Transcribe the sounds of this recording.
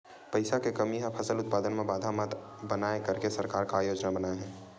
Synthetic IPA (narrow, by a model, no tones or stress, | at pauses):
pəɪsakekəmiɦəpʰəsəlʊt̪̚paːd̪ənmẽbaːd̪ʱamət̪ | bənaːekəɾkesəɾkaːɾkaːjoːd͡ʒnabənaːeɦɛ̃ː